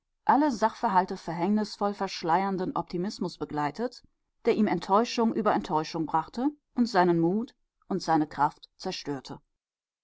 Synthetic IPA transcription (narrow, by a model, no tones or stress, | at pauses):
ʔaləzaχfɛɐɦaltəfɛɐɦɛŋnɪsfɔlfɛɐʃlaɪɐndənʔɔp̚tʰimɪsmʊsb̥əɡlaɪtʰət | d̥eːɐʔiːmɛntʰɔʏʃʊŋʔyːbɐɛntʰɔʏʃʊŋbʁaχtə | ʔʊntz̥aɪnənmuːt | ʔʊntz̥aɪnəkʁ̥aftt͡sɛɐʃtøːɐtʰə